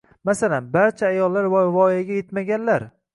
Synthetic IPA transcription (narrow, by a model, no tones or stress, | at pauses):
masalanbaɾt͡ʃʰaːjɒlːaɾvvɒiaɡʲajet̪maɡʲanlaɾ